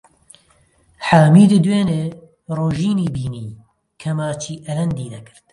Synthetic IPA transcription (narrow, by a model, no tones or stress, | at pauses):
ħaːmiːd̪ɨd̪weːneː | roːʒiːniːbiːniː | kʰɛmaːt͡ʃʰiːʔɛlɛnd̪iːd̪ɛkʰɨ̥ɾt̪̚